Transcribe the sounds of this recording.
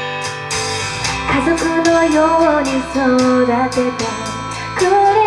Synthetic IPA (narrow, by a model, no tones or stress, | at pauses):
kazokɯnojoɲisɨd̪at̪et̪a | kɯ